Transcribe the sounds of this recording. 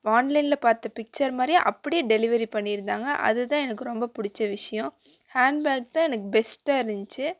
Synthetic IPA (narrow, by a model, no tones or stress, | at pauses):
aːnlɐɪnlɐpaːɾt̪ːɐpɪk̚t͡ʃɐɾmaːd̪ɾj̰̃ʔɐpːɐɽɪjeːɖɛlɪʋɐɾipɐɳːɪɾɯnd̪aːŋɡɐʔɐ̰ðɯt̪ãːɛnɐkːɯɾɔmbɐpʊɽɪt͡ʃːɐʋɪʂɐjɔ̃ | haːɳɖbaːk̚t̪ãːɛnɐkːɯbɛsʈaːɪɾnd͡ʒt͡ʃːɯ